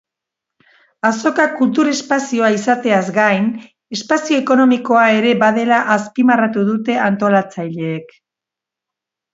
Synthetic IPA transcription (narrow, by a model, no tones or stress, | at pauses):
aso̞kakult̪uɾe̞spasio̞aisat̪e̞azɡajn | e̞spasio̞eko̞no̞miko̞ae̞ɾe̞bað̞e̞laʔaspimarat̪uðut̪e̞ant̪o̞lat͡sajʎe̞ːk